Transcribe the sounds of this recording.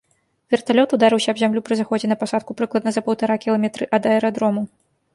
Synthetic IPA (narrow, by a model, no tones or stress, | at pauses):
vʲɛrt̪alʲɔt̪ud̪aɾɨwsʲɐbzʲamlʲupɾɨzaxɔd͡zʲɛnɐpasat̪̚kupɾɨklˠɐd̪nɐzɐpɐwt̪aɾakʲilˠamʲɛt̪ɾɨʔɐd̪ɐɛɾad̪ɾɔmu